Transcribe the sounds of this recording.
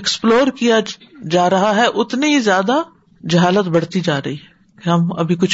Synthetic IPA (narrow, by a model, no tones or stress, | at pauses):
eksploːɾkija | d͡ʒaːɾɐɦaɦɛʔʊt̪neɦizjaːd̪a | d͡ʒɐɦaːlət̪bɐɽ̤t̪id͡ʒaːɾɐɦiɦɛɛ | keɦɐmɐ̰bʱikʊt͡ʃʰ